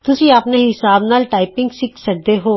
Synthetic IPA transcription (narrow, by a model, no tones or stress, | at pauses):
t̪ʊsiɐpneɦɪsaːbnaːlʈaːɪpɪ̃ŋɡsɪksɐk̚d̪eɦoː